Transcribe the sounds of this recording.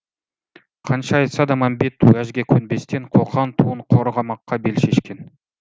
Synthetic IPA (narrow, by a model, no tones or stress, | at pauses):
qʰɑnʃɑːjt̪sɑd̪ɑmɑmbet̪ːuæʒɡʲekʲʰɵnbe̞st̪eɴqʰoqʰɑnt̪ʰuɴqʰoɾəʁɑmɑqːɑbelʃeʃkʲe̞n